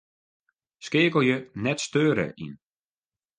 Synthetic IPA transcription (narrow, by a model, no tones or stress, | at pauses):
skɪːkəlˠjənɛtstøːɾə̰ʔḭn